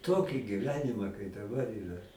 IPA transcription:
ˈtoːkʲɪ ɡʲɪˈʋʲæːnʲɪmɐ kɐɪ dɐˈbɐr ˈiːrɐ

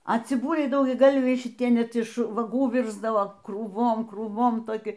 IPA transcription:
ɐ t͡sʲɪˈbʊlʲɛɪ dɐʊɡʲɛˈɡɐlʲʋʲɛɪ ʃʲɪˈtʲiɛ ˈnʲɛt ɪʃ ʋɐˈɡuː ˈʋʲɪrzdɐʋoː kruːˈʋoːm kruːˈʋoːm toːˈkʲɪ

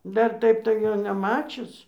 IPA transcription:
ˈdɐr ˈtɐɪp tɐɪ ˈjoː nʲɛˈmɑːt͡ʃʲʊs

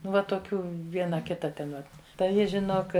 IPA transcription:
ˈnʊ ʋɐ toːˈkʲuː ˈʋʲiɛnɐ ˈkʲɪtɐ ˈtʲɛn ʋɐ tɐɪ ˈjɪ ʒʲɪˈnoːk

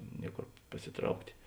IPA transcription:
ˈnʲiɛkoːr pɐsʲɪˈtrɐʊktʲeː

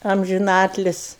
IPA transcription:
ɐmʲʒʲɪˈnɑːtʲlʲɪsʲ

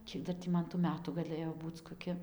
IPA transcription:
ˈkʲiɛk dɐr tʲiː ˈmɐn tuː ˈmʲæːtuː ɡɐˈlˠɘjoː ˈbuːt͡s koːˈkʲɪ

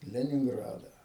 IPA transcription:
lʲɛnʲɪŋˈɡrɑːdɑː

